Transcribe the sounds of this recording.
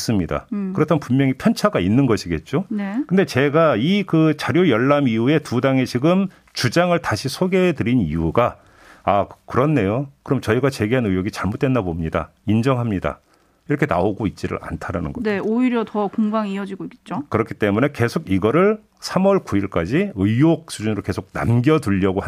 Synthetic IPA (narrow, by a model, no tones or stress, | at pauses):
s͈ɯmɲida̰kɯɾʌtʰamnpunmjʌŋipʰjʌnt͡ɕʰaɡainːɯnɡʌɕʰiɡe̞t̚t͡ɕ͈onekɯnde̞t͡ɕe̞ɡaikɯt͡ɕaɾjojʌɭːamiue̞tudaŋet͡ɕiɡɯm | t͡ɕud͡ʑaŋɯɭtaɕʰisʰoɡe̞tɯɾinḭuɡa | akɯɾʌnːe̞jokɯɾʌmt͡ɕʌiɡat͡ɕe̞ɡeɦanɯjoɡit͡ɕaɭmot͈we̞ndabomɲida̰ind͡ʑʌŋɦamɲida̰ | iɾʌkʰe̞na̰oɡoit̚t͡ɕ͈iɾɯ̰ɾa̰ntʰaɾanɯ̰nɡʌneoiɾjʌtʌkoŋɡaŋiʌd͡ʑiɡoik͈e̥t̚t͡ɕ͈okɯɾʌkʰi̥t͈e̞mune̞ke̞sʰoɡiɡʌɾɯɭ | sʰamʌɭkuiɭk͈ad͡ʑiɯjok̚s͈ʰud͡ʑunɯɾoke̞sʰoɡ̚na̰mɡjʌduʎːʌɡoɦ